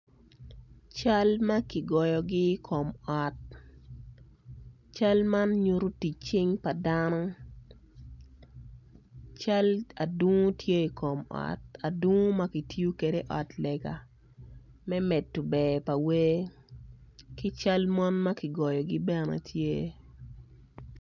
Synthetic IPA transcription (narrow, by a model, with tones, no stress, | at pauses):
t͡ʃa˦lma˦kɪ˨ɡɔ˨jɔ˨ɡɪ˦kʰo˨mɔ˨t̚ | t͡ʃa˦lma˦nɲu˦ɾu˦ti˨t͡ʃɪ˦ŋpa˨danɔ˦ | t͡ʃa˦la˨du˦ŋo˦tje˦i˨kʰo˨mɔ̰˨ta˨dwu˦ŋo˦ma˦ki˨tju˦ke˨de˦ʔɔ˨tlɛ˨ɡa˨ | mɛ˦mɛ˨tːu˨bɛ˨pa˨we˦ | kɪ˦t͡ʃa˦lmɔ˦nma˦kɪ˨ɡɔ˨jɔ˨ɡɪ˦bɛ˦nɛ̰˨tʰje˦